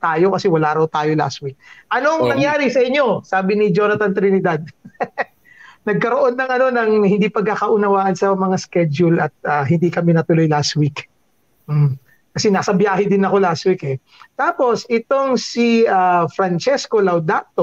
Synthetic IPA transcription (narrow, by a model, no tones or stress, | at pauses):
t̪aːjo̞kɐsɛwɐlaːɾɐwt̪aːjo̞la̰st̪̚wik̚ʔɐnoɐŋnɐŋjaːɾɪsɐʔɪɲːo̞saːbɪnɪd͡ʒo̞nɐt̪ɐnt̪ɾɪnɪd̪ad̪̚ | nɐɡ̚kɐɾoʔo̞nːɐŋʔɐno̞nɐŋhɪnd̪ipɐɡ̚kːakɐʔʊnɐwaːʔɐnsɐmɐŋaskɛd͡ʒʊlɐt̪̚ʔaːɦɪnd̪ikɐmɛnɐt̪ʊlo̞jlast̪̚wik | m | kɐsɛnasɐbjaːhɪd̪ɪnɐko̞last̪̚wikɛ | t̪aːpo̞sʔɪt̪o̞ŋsiafɾɐnt͡ʃɛsko̞lɐwd̪at̪o